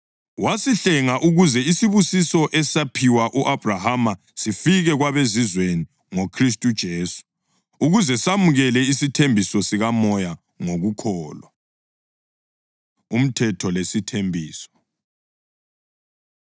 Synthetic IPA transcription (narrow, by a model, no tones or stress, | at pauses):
wasiɬɛŋaʔuɣuzɛisiβusisɔʔɛsapʰiwaʔuʔab̥ʱrahama | sifiɣɛɣwaβezizweni | ŋokʰris̬tʼud̥ʒ̥ʱeːsu̥ | uɣuzɛsamuɣɛlɛisitʰembʱisɔsiɣamɔja | ŋoɣukʰɔːla | um̩tʰɛtʰɔlesitʰembʱiːsɔ̥